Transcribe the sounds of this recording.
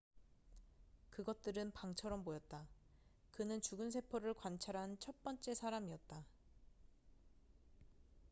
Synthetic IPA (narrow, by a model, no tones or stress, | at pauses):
kɯɡʌt̚t͈ɯɾɯnpaŋt͡ɕʰʌɾʌmpojʌt̚t͈a | kɯnɯnt͡ɕuɡɯns̬ʰe̞pʰʌɾɯɭkwant͡ɕʰaɾɦant͡ɕʰʌt̚p͈ʌnt͡ɕ͈e̞sʰaɾamiʌt̚t͈a